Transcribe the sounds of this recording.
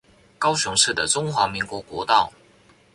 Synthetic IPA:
kɑ˥ʊɕʊ˧˥ŋʂɻ̩˥˩d̪ə˩ʈ͡ʂʊ˥ŋxwa˧˥mi˧˥ŋkwɔ˧˥kwɔ˧˥t̪ɑ˥˨ʊ

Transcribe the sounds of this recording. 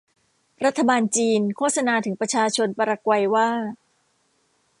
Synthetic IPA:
ɾa˦˥t̪ʰːa˧baː˧nt͡ɕiː˧nkʰoː˥˩t̚sa˧naː˧t̪ʰɯ˩˦ŋpɾa˧t͡ɕʰaː˧t͡ɕʰo˧npa˧ɾa˧kwa˧jwaː˥˩

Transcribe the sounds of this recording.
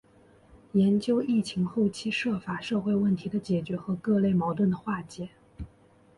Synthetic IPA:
jɛ˧˥nt͡ɕjo˥ʊi˥˩t͡ɕʰi˧˥ŋxo˥˩ʊt͡ɕʰi˥ʂɤ˥˩fa˨˩ʂɤ˥˧xwe˥˧ɪwə˥˩nt̪ʰi˧˥d̪ə˧t͡ɕjɛ˨˩t͡ɕɥɛ˧˥xɤ˧˥kɤ˥˧le˥˩ɪmɑ˧˥ʊt̪wə˥˩nd̪ə˩xwa˥˩t͡ɕjɛ˨˩˦

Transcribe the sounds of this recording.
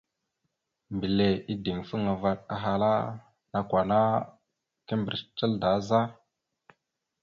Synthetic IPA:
mbi˨le˨i˦di˨ŋfə˦ŋa˨va˨ɗ̚a̰˨ɦa˨la˦ | na˨kʷwa˨na˦ | kə˦mbɾt͡ʃə˦lda˨˦za˦

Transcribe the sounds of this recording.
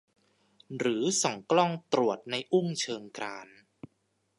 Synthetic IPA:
ɾɯː˩˦sɔ˩˦ŋklɔ˥˩ŋt̪ɾu˨˩ət̪̚na˧jʔu˥˩ŋt͡ɕʰɤː˧ŋkɾaː˧n

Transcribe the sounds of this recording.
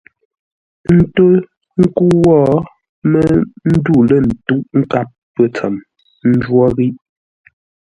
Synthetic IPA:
n̩˦to˦ | ŋ̩˦ku˦wɔ˦ | mə˦n̩˦du˦˨lə˦˨n̩˨tu˦ʔŋ̩˦ka˦p̚ːə˦t͡sɛ̰˨m | n̩˦d͡ʒwɔ˦ɣi˦ʔ

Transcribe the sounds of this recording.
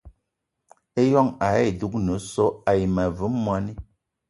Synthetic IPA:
e˦jɔ˦ŋa˨˦e˦˨du˦k̚nə˨˦sɔ˦a˨ji˨ma˨vɨ˦mːwa˦ni˦

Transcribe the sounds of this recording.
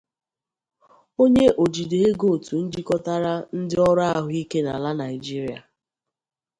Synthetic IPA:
o˦ɲe˦ʔo˨d͡ʒi˨de˨ɦe˦ɡo˦˨tu˨n̩˦d͡ʒi˦kɔ˦ta˦ɾa˦n̩˦dɪ˦ɔ˦ɾa˦ɦʊ˦i˦ke˦na̰˨la˦na˨ɪ˨d͡ʒi˦ɾi˨˦a̰˨

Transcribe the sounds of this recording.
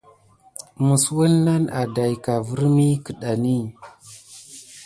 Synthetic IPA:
mu˨swu˦lna˦na˨da˨jka˨vu˦ɾmi˦ki˨ɗa˨ni˦˨

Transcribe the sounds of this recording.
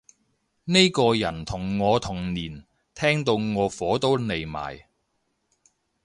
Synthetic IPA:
ne˥jkɔː˧jɐ˨˩nt̪ʰʊ˨˩ŋːɔː˨˧t̪ʰʊ˨˩ŋniː˨˩n | t̪ʰɛː˥ŋt̪o˧wŋɔː˨˧fɔː˨˥t̪o˥wne˨jma̰ː˨˩j

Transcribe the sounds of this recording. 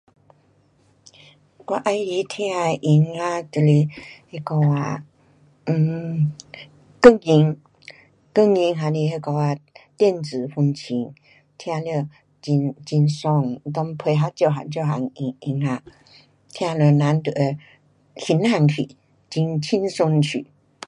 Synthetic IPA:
kwa˧ʔa˧jli˧˦t̪ʰi˧˦a˧ʔi˧ŋa˧t̪ə˨li˧he˧kɔ˧a˧˩ | kə˥˧˨ŋi˧ŋ | kə˥˧ŋi˧ŋɦa˧ni˧ɦe˧kɔ˧wa˧t̪jɛ˥˧˨nt͡sɹɨ˨˩fu˧ŋt͡ɕʰi˧˦ŋ | t̪ʰja˧lə˧ | t͡ɕi˧nt͡ɕi˧nsɔ˧˩ŋ˧t̪ɔ˧ŋpʰwe˧ɦa˧t͡ɕjo˧˨ɦa̰˨˧nt͡ɕjo˧˨ɦa̰˨˧ŋi˧ŋi˧ŋa˧ | t̪ʰja˧lə˧na˨˧˦nt̪u˧˨e˧ | hi˧˦nha˧ŋkʰḭ˨ | t͡ɕi˧ŋt͡ɕʰi˦˥nsu˧nt͡ɕʰy̰˨˦

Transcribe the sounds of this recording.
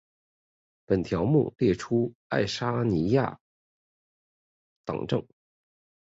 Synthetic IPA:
pə˨˩nt̪ʰjɑ˧˥ʊmṵ˥˧˩ljɛ˥˩ʈ͡ʂʰu˥a˥˩ɪʂa˥ni˧˥ja̰˥˩ | t̪ɑ̰˨˩ŋʈ͡ʂɤ̰˥˩ŋ

